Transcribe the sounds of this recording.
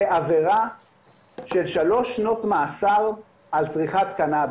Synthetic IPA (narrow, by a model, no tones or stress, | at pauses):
eʔaveʁa | ʃelʃaloʃno̞tmaːsaʁ | ʔalt͡sʁiχat̪kanab